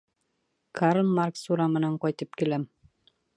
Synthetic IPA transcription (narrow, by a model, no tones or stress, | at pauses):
kaɾlˠmarksuɾamɘ̆næɴqɒjt̪ɤp̚kilæm